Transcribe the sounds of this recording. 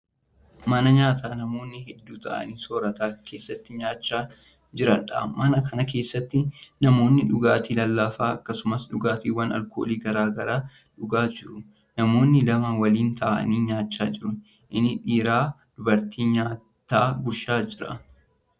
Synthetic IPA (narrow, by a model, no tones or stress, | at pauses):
mɐnɐɲaːt̪ʰaːnɐmo̞ːnːɪhɛd̪ːuːt̪ɐʔɐ̰niːso̞ːɾɐt̪aːkʰe̞ːsːɐt̪ːɪɲaːt͡ʃːaː | d͡ʒɪɾɐᶑɐ̰mɐnɐkɐnɐke̞ːsːɐt̪ːɪnɐmo̞ːnːɪᶑʊɡaːt̪iːlɐlːɐfaːɐkːɐsʊmɐsᶑʊɡaːt̪iːwɐnɐ̰lkʰo̰ːliːɡɐɾaːɡɐɾaːᶑʊɡaːd͡ʒɪɾʊ | nɐmo̞ːnːɪlɐmɐwɐliːnt̪ʰɐʔʔɐ̰niːɲaːt͡ʃːaːd͡ʒɪɾʊ | ʔɪnːɪᶑiːɾaːd̪̥ʊbɐɾt̪iːɲaː | t̪ːaːɡʊɾʃaːd͡ʒɪɾɐ̰